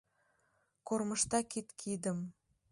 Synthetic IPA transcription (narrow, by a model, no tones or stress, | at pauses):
korməʃt̪ɑkit̪kʰid̪əm